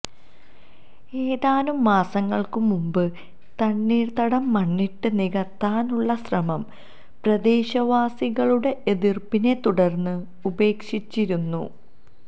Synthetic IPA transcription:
e̞ːðaːnumːaːsɐŋːɐɭkumumbɨ | t̪ɐɳːiːrt̪ɐɽɐmːɐɳːiʈːɨniɣɐt̪ːaːnuɭːɐsrɐmɐm | prɐd̪e̞ːɕɐʋaːsiɣɐɭuɽe̞ʔeðirpine̞t̪uɽɐrnːɨ | ube̞ːkʂit͡ɕːiɾunːṵ

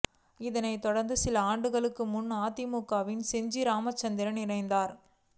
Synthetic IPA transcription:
ɪðɐnɐɪt̪ɔɽɐɾnd̪ɯsɪlɐaːɳɖɯɣɐɭɯkːɯmʊnːaːt̪ɪmuːkːaːʋɪnsɛɲd͡ʒiɾaːmɐt͡ʃːɐnd̪ɪɾɐnɪɾɐɪnd̪aːɾ

